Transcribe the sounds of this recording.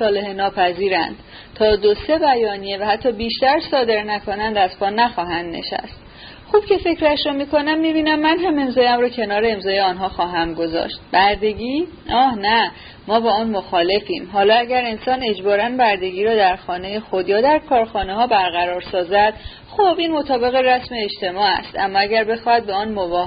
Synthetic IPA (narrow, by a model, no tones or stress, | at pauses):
sɒːle̞henɒːpʰæziːɾæ̰nd̪̥ | t̪ʰɒːd̪ose̞bæjɒːnijevæhæt̪ʰːɒːbiːʃt̪æɾsɒːd̪e̞ɾnækʰo̞nænd̪æzfɒːnæxɒːɦænd̪ne̞̰ʃæ̰st̪̚ | xuːb̥cʰe̞fe̞cʰɾæʃɾɔːmiːkʰo̞næmːiːbiːnæmːænɦæme̞mzɒːjæmɾɒːcʰe̞nɒːɾeemzɒːjeɒːnɦɒːxɒːɦæmɡo̞zɒ̰ːʃt̪̚bæɾd̪eɟiː | ɒːhnæ | mɒːbɛɒːnmo̞xɒːle̞fiːmɦɒːlɒːæɟæɾe̞nsɒːne̞d͡ʒbɒːɾænbæɾd̪e̞ɟiːɾɒːd̪æɾxɒːne̞jexod̪jɒːd̪æɾkʰɒːɾxɒːne̞hɒːbæɾɣæɾɒːɾsɒːzæd̪̥ | xobiːnmo̞t̪ʰɒːbe̞ɣeræsme̞ːʃt̪e̞mɒːæ̰st̪æ̰mːɒːæɟæɾbe̞xɒːhæd̪̚beɒːnmovɒː